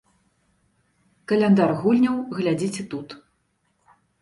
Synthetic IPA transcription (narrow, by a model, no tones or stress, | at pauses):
kɐlʲɛnd̪arɣulʲnʲɐwɣlʲad͡zʲit͡sʲɛt̪ut̪